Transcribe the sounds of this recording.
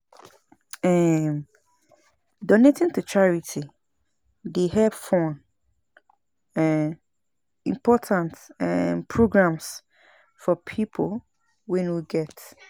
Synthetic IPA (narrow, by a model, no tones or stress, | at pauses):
ɛm | dɔnetʰɪ̃ntʰut͡ʃʰaɹitʰi | dehɛb̥fɔ̃n | ɛ | ĩmpʰɔtʰãntɛpʰɹoɡɹãms | fɔpʰipʰol | wɛ̃nwiɡɛt